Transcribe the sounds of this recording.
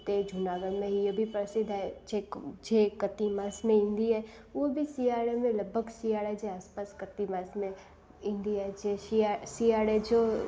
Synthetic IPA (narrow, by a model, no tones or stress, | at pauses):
t̪ed͡ʒʱʊnaːɡəɽmẽɦijobʱipɾsɪd̪ʱɦɛd͡ʒed͡ʒekɐt̪imaːsmẽɪ̃nd̪iɛ | ʋobʱisiːaːɾemẽləbʱəɡsiːaːɽɛd͡ʒeaːspaːskɐt̪imaːsmẽ | ɪ̃nd̪iaɦɛd͡ʒeiasiːaːɽed͡ʒoː